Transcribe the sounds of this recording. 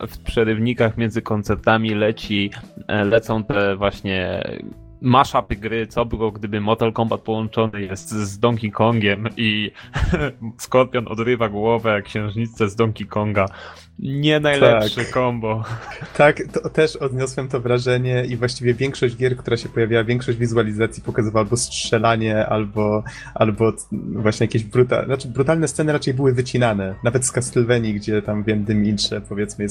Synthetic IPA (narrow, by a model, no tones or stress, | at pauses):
fpʂɛɾɘvɲikaxmʲjɛnd̪zɘkɔnt̪sɛɾt̪amʲilɛt͡ɕilɛt̪sɔ̃w̃t̪ɛvwaɕɲɛ̰ | maʂapɘɡɾɘt̪sɔbɘwɔɡd̪ɘbɘmɔt̪ɛlkɔmbat̪̚pɔwɔnt͡ʂɔnɘjɛst̪zd̪ɔŋkʲikɔŋɡʲɛmi | skɔɾpʲjɔnɔ̰d̪ɾɘvaɡwɔvɛkɕɛ̃w̃ʐɲit̪ːɛzd̪ɔŋkʲikɔŋɡa | ɲɛnajlɛpʂɘkɔmbɔt̪akt̪ɔt̪ɛʂɔd̪ɲɔswɛmt̪ɔvɾaʐɛɲɛʔivwaɕt͡ɕivʲjɛvʲjɛŋkʂɔʑd͡ʑɡʲjɛɾkt̪uɾaɕɛpɔjavʲjawavʲjɛŋkʂɔɕd͡ʑvʲizualʲizat̪sʲjipɔkazɨvawalbɔstʂɛlaɲɛʔalbɔ | ʔalbɔ | vwaɕɲɛjakʲeʑbɾut̪a̰ɾat͡ʂɘbɾut̪alnɛst̪sɛnɘɾat͡ʂɛjbɘwɘvɘt͡ɕinanɛnavɛt̪skast̪ɛlvɛɲiɡd͡ʑɛt̪amvjɛnːɘmint͡ʂɛpɔvʲjɛt̪smɘɛ